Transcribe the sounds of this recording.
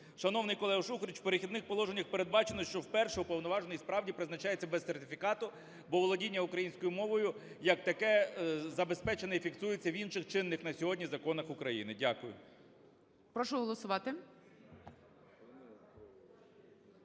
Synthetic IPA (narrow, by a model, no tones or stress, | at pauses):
ʃɐn̪ɔwnɪjkɔlˠɛɦɐʃuxɾʲit͡ʃpeɾɪxʲid̪nɪxpɔlˠɔʒenʲːɐxpeɾe̞d̪̚bɑt͡ʃenɔʃt͡ʃɔwpɛrʃɛʊpɔwnɔʋɑʒnɔjispɾɑwdʲipɾɪznɐt͡ʃɑjet͡sʲːɐbɛsːert̪ɪfʲikɑt̪ʊ | bɔʋɔlˠɔdʲinʲːɐukɾɐjinʲsʲkɔjʊmɔʋɔjʊ | jɐkt̪ɐkɛzɐbe̞spɛt͡ʃenɛifʲiksujɪt͡sʲːɐwinʃɪxt͡ʃɪnːɪxnɐsʲɔɦɔdʲnʲizɐkɔnɐxʊkɾɐjinɪdʲakʊjʊ̰ | pɾɔʃʊɦɔlˠɔsʊʋɑt̪ɪ